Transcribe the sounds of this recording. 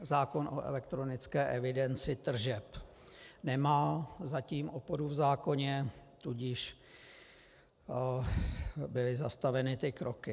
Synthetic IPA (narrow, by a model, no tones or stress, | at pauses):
zaːko̞nʔo̞̰ʔɛ̰lɛk̚t̪ɾo̞nɪt͡skɛːʔɛvɪdɛnt͡sɪt̪r̩ʒɛp | nɛmaːzaciːmʔopoɾuvzaːko̞ɲɛt̪uɟɪʃ | bɪlɪzast̪avɛnɪt̪ɪkɾʔo̞kɪ